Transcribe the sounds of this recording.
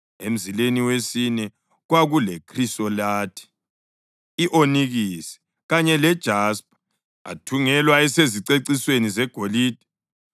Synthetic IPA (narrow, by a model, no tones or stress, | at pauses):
ḛm̩zileniwesinɛ | ɣwaɣulɛkʰrisɔlaːtʰi̥ | iʔoniɣisɛ̥ | ɣaɲɛlɛd̥ʒ̥ʱasp̚ʰʼḁ | a̰tʰuŋɛlwaɛseziǀeǀiswenizɛɡ̥ʱoliːd̥ʱɛ̥